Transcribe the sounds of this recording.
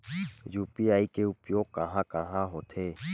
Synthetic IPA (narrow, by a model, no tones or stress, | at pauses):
juːpiːaːikeːʊpjoːkaɦãːkaɦãːɦoːt̪ʰeː